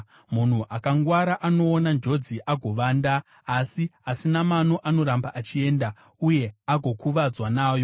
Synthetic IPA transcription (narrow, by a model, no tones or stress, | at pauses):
mun̤uʔakaŋɡwaɾaʔano̞ːnand͡ʒo̞d͡ziʔaɡʱo̞ʋaːndaː | siasinamano̞ʔano̞ɾambaʔat͡ʃie̞ːnda | uje̞aɡʱo̞kuʋad͡zwanaːjo̞